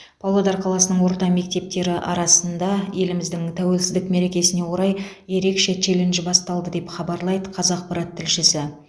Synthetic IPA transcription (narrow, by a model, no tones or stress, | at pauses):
pʰolˠod̪ɑɾqʰɑlˠɑsənəɴwo̞ɾt̪ɑme̞k̚t̪e̞p̚t̪e̞ɾɪʔɑ̰ɾɑsənd̪ɑje̞lɪmɪzd̪ɪŋt̪ʰæwe̞lsɪzd̪ɪkme̞ɾe̞kʲe̞sɪne̞wo̞ɾɑj | je̞ɾe̞kʃe̞t̪ʰe̞lɪnʒɪbɑst̪ɑlˠd̪əd̪e̞pχɑbɑɾlˠɑjd̪əqʰɑzɑq̚pɑɾɑt̪ʰːɪlʃɪsɪ